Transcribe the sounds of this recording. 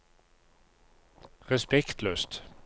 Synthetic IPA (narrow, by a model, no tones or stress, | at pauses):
ʁɛspɛkt̪løːst̪